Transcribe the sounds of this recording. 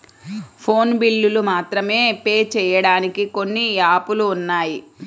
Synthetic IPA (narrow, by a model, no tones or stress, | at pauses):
pʰo̞ːnbilːulumaːt̪ɾɐme̞ːpe̞ːt͡ʃɛːjɐɽaːnikiko̞nːiaːpuluːnːaːji